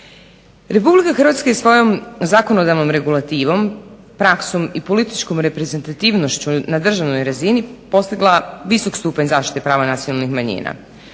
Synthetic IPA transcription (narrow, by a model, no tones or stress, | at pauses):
ɾe̞publikaxr̩ʋat̪skajesʋo̞jo̞mzako̞no̞d̪aʋno̞mɾe̞ɡulˠat̪iːʋo̞m | pɾaksomipo̞lit̪it͡ʃko̞mɾe̞pɾe̞ze̞nt̪at̪iːʋno̞ʃt͡ɕunad̪r̩ʒaʋno̞jɾazinipo̞st̪iɡlˠaʋiso̞kst̪uːpaɲzaːfʃt̪i̥t̪e̞pɾaːʋanat̪sionalˠnixmaɲḭːna̰